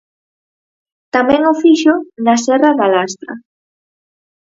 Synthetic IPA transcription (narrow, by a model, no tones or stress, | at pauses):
t̪amɛ̃ŋofiʃʊnasɛraðalast̪ɾa̰